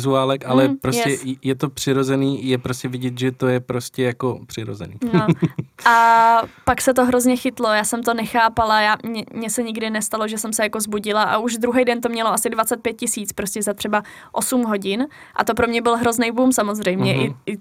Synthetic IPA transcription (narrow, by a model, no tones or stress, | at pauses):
zuaːlɛkʔalɛpɾojsɛjɛt̪opr̝̥ɪɾozɛniːjɛpɾoscʲɛvɪɟɛt̪ʒɛt̪ojɛpɾoscɛjakopr̥ɪɾo̰zɛ̰nḭːnoʔapaksɛt̪o̞ɦɾo̞zɲɛxɪt̪lo̞jaːsɛmt̪o̞nɛxaːpalajaːmɲɛmɲɛsɛɲɪɡdɪnɛst̪aloʒɛsɛmsɛjako̞zbuɟɪlaʔa̰uʒd̪ɾuɦɛjdɛnt̪o̞mɲɛloasɪdvat͡sɛt̪̚pjɛt̪̚cɪsiːt͡spɾoscɛzat̪r̥ɛba | ʔo̞sumɦo̞ɟɪn | ʔa̰t̪o̞pɾo̞mɲɛbɪlɦɾo̞znejbumsamo̞zrɛjmɲɛʔɪɪ